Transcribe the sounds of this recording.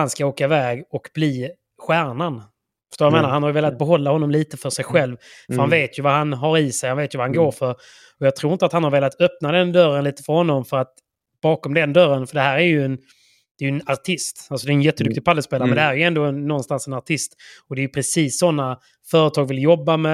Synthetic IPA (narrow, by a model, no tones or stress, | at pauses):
anskaoːkaɪvɛːɡɔkb̥liː | ɧæːɳan | fə̥ʂt̪oːjameːnaɾhanhaɾjəveːlat̪̚bɛɦɔlːahɔnːɔmliːt̪əfœʂɛjɧɛlvfœɾhanveːt̪jɵvaɦanɦaɾɪsɛjhanveːt̪jɵvahanɡoːɾfœɾ | ɔjɑːɡ̚t̪ʰɾuːɪnt̪at̪hanhaɾveːlat̪œp̚nad̪ɛnd̪œrənliːt̪ə̥fœɾhɔnːɔmfœɾat̪ | b̥ɑːkɔmd̪ɛnd̪œɾːənfœɖɛhæːɾæɾjɵɛn | d̪̥ɛjɵɛnaɾʈʰɪst̪alsɔd̪ɛːɛnjɛt̪ːəd̪ɵk̚t̪ɪɡ̚pʰalːəspeːlaɾmɛnd̪ɛhæɾjɵɛnd̪oːɛnːɔnst̪ansɛnaɾʈʰɪst̪ɔd̪ɛjɵpʰɾɛsiːsːɔnːa | fœːɾət̪ʰɑːɡvɪljɔbːamɛ